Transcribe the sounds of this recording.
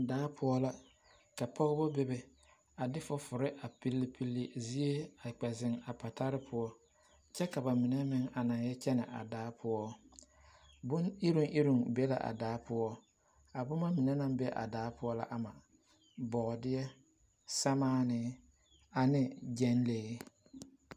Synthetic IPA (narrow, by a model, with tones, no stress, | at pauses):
daː˨˦pʰʊ˦ɔ˦la˦ | ka˨pʰɔ˦ɣbɔ˦be˦bɛ˨ | a˨dɪ˦fʊ˦fʊ˨ɾɪ˦ʔa˨pi˦lːi˦pʰi˦lːi˦zi˦e˦a˨k͡pɛ˨zɪ˨ŋa˨pa˨ta˦ɾɪ˦pʰʊ˦ɔ˦ | t͡ʃɛ˦ka˨ba˨mɪ˨nɛ˦mɪ˦ŋa˨na˨ŋjɛ˦t͡ʃɛ˦nɪ˨ʔa̰˨daː˨˦pʰʊ˦ɔ˦ | bʊ˦ni˦ɾu˦ŋʔi˦ɾu˨ŋbe˦la̰˨ʔa̰˨daː˨˦pʊ˦ɔ˦ | a˨bʊ˦ma˦mɪ˨nɛ˦na˦mbɛ˦ʔa̰˨daː˨˦pʊ˦ɔ˦la̰˦ʔa˨ma˨ | bɔ˨dɪ˦jɛ˦ | sɛ˦maː˦nɪ˦ | a˨nɪ˦d͡ʒɛ˦nleː˨˦